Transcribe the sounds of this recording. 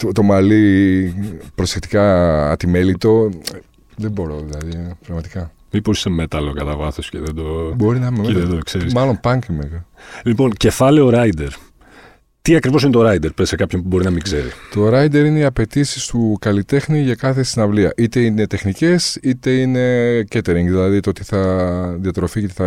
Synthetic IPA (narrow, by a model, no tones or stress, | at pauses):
t̪ot̪o̞mɐli | pɾo̞se̞kt̪i̥kɐ̰ːt̪ime̞lit̪o̞ | ðe̞bo̞ɾoðilɐðipɾɐɣmɐt̪i̥kɐ | miposisemet̪ɐlekɐt̪ɐvɐθosceðed̪obo̞ɾinɐmemðed̪oekseɾismɐlo̞npɐŋkmeɣlipo̞nce̞fɐlioɾɐjd̪eɾ | t̪iɐkɾivos̬inet̪o̞ɾɐid̪eɾpɾesekɐpçonpubo̞ɾinɐmiɡze̞ɾḭt̪o̞ɾɐjd̪e̞ɾineiɐpe̞t̪isi̥st̪ukɐlit̪e̞xniʝɐkɐθe̞sinɐvliɐ̰ʔit̪e̞ine̞t̪e̞xnice̞sit̪e̞ine̞cet̪eɾiŋɡðilɐðit̪oot̪i̥θɐðiɐt̪ɾo̞fiot̪i̥θɐ